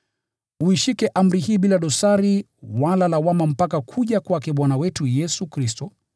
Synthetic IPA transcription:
uiʃikɛʔam̩ɾihiːɓilaɗɔsaɾi | walalawamam̩pakakʰuʄakwakɛɓwanawɛtujɛsukɾistɔ

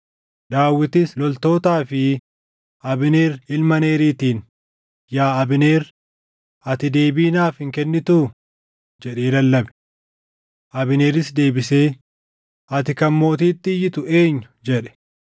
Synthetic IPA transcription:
ᶑaːwːɪt̪ɪslɔlt̪o̞ːt̪aːfɪ | ʔɐbɪne̞ːɾɪlmɐne̞ːɾiːt̪iːn | jaːɐbɪne̞ːɾ | ɐt̪ɪd̪e̞ːbiːnaːfhɪŋkɛnːɪt̪u | d͡ʒɛᶑeːlɐlːɐbɛ̥ | ʔɐbɪne̞ːɾɪsd̪e̞ːbɪse̞ː | ɐt̪ɪkɐmːo̞ːt̪iːt̪ːɪɪjɪt̪ʊe̞ːɲːʊd͡ʒɛᶑɛ̥

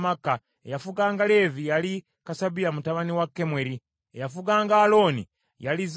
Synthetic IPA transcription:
makːa | ḛjafuɡaːŋɡale̞vijali | kasabilamutaβaniwakːe̞mweɾi | ḛjafuɡaːŋɡaːlo̞ːnḭ | jaliz

